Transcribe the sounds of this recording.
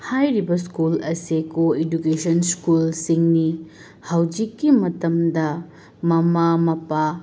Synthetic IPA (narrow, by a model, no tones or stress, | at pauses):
hajɾibɐskulɐsekoedukesɐnskulsiŋni | hɐwd͡ʒikːimɐtɐmdɐ | mɐmamɐpa